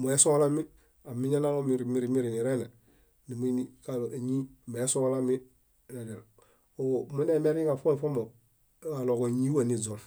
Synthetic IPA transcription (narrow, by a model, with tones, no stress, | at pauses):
mo˨e˦so˦la˦mi˦ | a˨mi˦ɲa˦na˦lo˦mi˨ɾi˨mi˦ɾi˨mi˦ɾi˨ni˨ɾe˦ne˨ | ni˨mu˦ni˦ka˦le˨ɲi˦me˨e˦so˦la˦mi˦ | ɾe˨di˨l | o˨mo˦ne˦me˦ɾka˨fo˦m˨fo˦mo˨˦ | a˨lo˨ko˨ɲi˦wa˦˨ni˦˨zo˨n